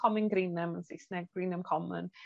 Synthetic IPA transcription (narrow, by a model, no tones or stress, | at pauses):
ɔmɪnɡɾiːnəmənsɪsnɛɡ̚ɡɹiːnəmkʰɔmə̰n